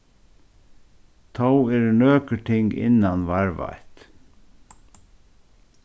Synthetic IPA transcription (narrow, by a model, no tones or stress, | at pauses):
t̪ʰawɛɾɳøːkəʈ̪ʰɪŋɡɪ̰nːanʋaɹʋa̰jt̪